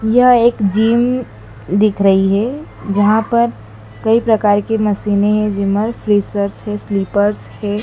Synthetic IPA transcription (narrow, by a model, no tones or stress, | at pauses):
jɐɦeːkd͡ʒiːm | d̪ɪkʰɾɐɦiɦɛ | d͡ʒɐɦãpɐɾ | kɐipɾɐkaːɾkemɐsiːneɦɛ̃d͡ʒɪməɾfɾisəɾt͡ʃɦɛsliːpəɾshɛ